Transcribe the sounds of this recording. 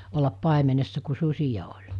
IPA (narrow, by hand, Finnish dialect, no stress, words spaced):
olːɑp pɑˑemenesːɑ ku susʲijɑ olʲ